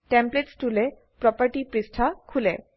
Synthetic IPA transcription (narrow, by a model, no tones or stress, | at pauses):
ʈɛmpleʈsʈulɛ | pɹɔpaɹʈipɹisʈʰakʰulɛ